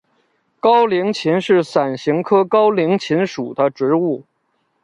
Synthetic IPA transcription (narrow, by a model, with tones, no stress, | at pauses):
kɑ˥ʊli˧˥ŋt͡ɕʰi˧˥nʂɻ̩˥˩sa˨˩nɕi˧˥ŋkʰɤ˥kɑ˥ʊli˧˥ŋt͡ɕʰi˧˥nʂu˨˩d̪ə˦ʈ͡ʂɻ̩˧˥u˥˩